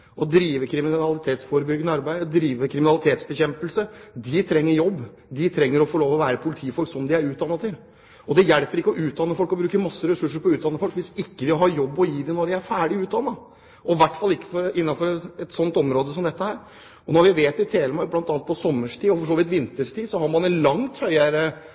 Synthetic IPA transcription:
ʔɔd̪ɾiːʋəkʰɾɪmɪnɑlɪt̪ʰeːt̪sfoːɾəbʏɡənəɑɾbæɪd̪ɾiːʋəkʰɾɪmɪnɑlɪt̪ʰeːt̪sbəçɛmpəlsəd̪ɪt̪ʰɾɛŋːəɾjɔbː | d̪ɪt̪ʰɾɛŋːəɾɔfɔɭoːʋɔʋæːɾəpʰʊlɪt̪ʰiːfɔlksɔmd̪ɪæɾʉːt̪̚d̪ɑnːɑt̪ʰɪl | ɔd̪ɛjɛlpəɾɪkːəɔʔʉːt̪̚d̪ɑnːəfɔlkɔbɾʉːkəmɑsːəɾɛsʉʂːəɾpɔʉːt̪̚d̪ɑnːəfɔlkʋɪsɪkːəd̪ɪɦɑːjɔbːɔjiːd̪ɛnɔɖɪæɾfæːɖɪʉːt̪̚d̪ɑnːɑ | ɔʋæʈːfɑlːɪkːə̥fɔɾɪnːɑfɔɾɛt̪sɔnt̪ɔmɾoːd̪əsɔmd̪ɛt̪ːəhæːɾ | ɔnɔɾʋɪʋeːt̪ɪt̪ʰeːləmɑɪblɑnt̪ɑnət̪̚pʰɔsɔmːəʂʈʰiːɔfɔʂ̬oːʋɪt̪ʋɪnt̪əʂʈʰiːsɔhɑɾmɑnɛnlɑŋt̪hœʏəɾə

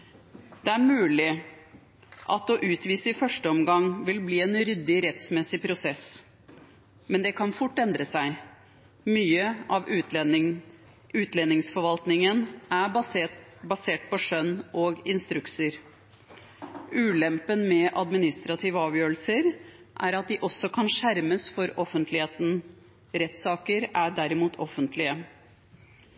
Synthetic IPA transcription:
d̪̥ɛæɾmʉːlɪ | ʔɑt̪ɔʔʉːt̪ʋiːsəɪfœʂʈəɔmɡɑŋːʋɪlbliːɛnɾʏd̪ːɪɾɛt̪smɛsɪpʰɾʊsɛs | mɛnd̪ɛkʰɑnfʊʈːɛnd̪ɾəsæɪ | myːəʔɑʋ | ʉːt̪leːnɪŋsfɔɾʋɑlt̪nɪŋənæ | bɑseːʈpɔʂœnːʔoːɡɪnst̪ɾʉksəɾ | ʉːlɛmpənmɛʔɑd̪mɪnɪst̪ɾɑt̪ʰiːʋəɑːʋjøːɾl̩səɾ | ʔæɾɑt̪̚d̪ɪʔɔsːɔkʰɑnʂæɾməsfɔɾɔfːənt̪ʰlɪheːt̪n̩ | ɾɛt̪sɑːkəɾæɖæɾɪmuːt̪ʰɔfənt̪ʰlɪə

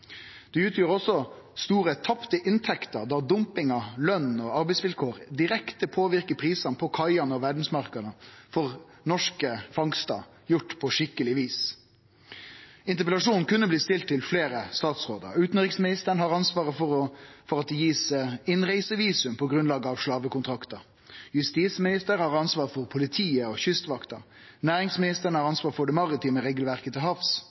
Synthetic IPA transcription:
d̪̥ɛʉːt̪ʰjøːʁɔsːɔ | st̪uːʁət̪ʰɑpt̪əʔɪnt̪ʰɛkt̪əʁd̪ɑːd̪ʊmpɪŋɑlœnɔɑɾbɛɪsʋɪlkʰoːɾd̪ɪɾɛkt̪əpʰoːʋɪʁkəpʰʁiːsɑnpʰɔkʰɑɪɑnəɔʋæɖn̩smɑʁkɑnəfɔʁ | nɔʂkəfɑŋst̪ɑ̰ | jʊʈːpʰɔʂɪkːəlɪʋiːs | ɪnt̪əʁpɛlɑʂuːnn̩kʉnːəbliːst̪ɪlt̪ʰːɪlfleːɾəst̪ɑːt̪sʁoːd̪ə̰ʁʉːt̪n̩ʁɪksmɪnɪst̪əəɳhɑːʁɑnsʋɑːʁəfɔʁɔfɔʁɑt̪̚d̪ɛjiːsəɪnʁæɪsəʋiːsʉmpʰɔɡʁʉnlɑːɡəɑʋʂlɑːʋəkʊnt̪ʰɾɑkt̪əʁ | jʉst̪iːsmɪnɪst̪əɾhɑːʁɑnsʋɑːʁfɔʁpʰʊlɪt̪ʰiːəɔçʏst̪ʋɑkt̪əʁ | næːʁɪŋsmɪnɪst̪əʁəɳəhɑɾʁɑnsʋɑːʁfɔɖ̪ɛmɑʁɪt̪ʰiːməʁeːɡəlʋæʁkət̪ʰɪlɦɑfs

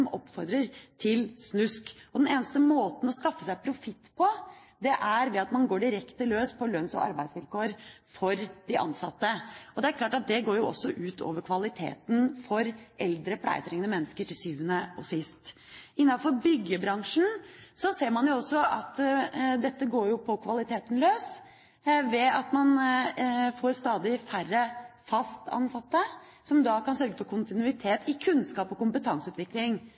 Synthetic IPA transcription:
ɔmɔpːfɔɾd̪ɾəɾt̪ʰɪlsnʉskɔd̪ɛneːnəst̪əmoːt̪n̩ɔskɑfːəsæɪpʰɾʊfɪt̪ːpʰɔ | d̪ɛʔæɾʋɛɑt̪mɑnɡoːɖɪɾɛkt̪əløːspʰɔlœnsɔ̰ʔɑ̰ɾbæɪsʋɪlkoːəɾfɔɾd̪̥ɪʔɑ̰nsɑt̪ːəɔd̪ɛæɾkʰlɑːʈɑt̪̚d̪ɛɡoːɾjʊʔɔ̰sːɔʔʉːt̪ʰo̰ːʋəɾkʰʋɑlɪt̪ʰḛːt̪nfɔɾʔɛld̪ɾəpʰlæ̰ɪt̪ʰɾɛŋːənəmɛnːəskəʈʰɪlsyːʋənəo̰sɪst̪ | ɪnːɑfɔɾbʏɡːəbɾɑŋʂn̩sɔseːɾmɑnjʊɔsːɔʔɑt̪d̪ɛt̪ːəɡoːɾjʊpʰɔkʰʋɑlɪt̪ʰeːt̪ənløːs | ʋɛɑt̪mɑn | foːɾst̪ɑːd̪ɪfærːəfɑst̪ʰɑ̰nsɑt̪ːə | sɔmd̪ɑkʰɑnsœɾɡəfɔɾkʰʊnt̪ɪnʉɪt̪ʰeːt̪ɪkʰʉnskɑːpɔkʊmpət̪ʰɑŋsəʉːt̪ʋɪklɪŋ

